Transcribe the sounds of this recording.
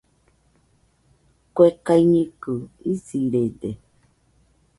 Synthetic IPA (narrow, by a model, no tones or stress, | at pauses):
kwekaiɲĩkɨisiɾede